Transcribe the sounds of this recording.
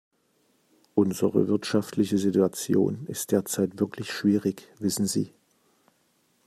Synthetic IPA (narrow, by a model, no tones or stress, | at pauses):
ʔʊnzəʁə̰vɪɐtʃaftʰlɪçəzituat͡sjo̰ːnɪstd̥eːɐt͡saɪtv̥ɪɐkʰlɪçʃv̥iːʁɪçv̥ɪsn̩zḭː